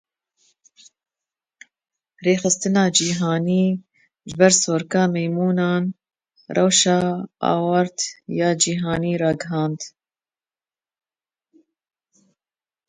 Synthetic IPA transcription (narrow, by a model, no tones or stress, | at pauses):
reːxɨst̪ɨnɑːd͡ʒiːɦɑːniː | ʒɪbɛɾsoːɾkɑːmɛjmuːnɑːn | rʔɛwʃɑːɑ̰ːwɑɾt̪jɑːd͡ʒiːɦɑːniːɾɑːɡɨɦɑːnd̪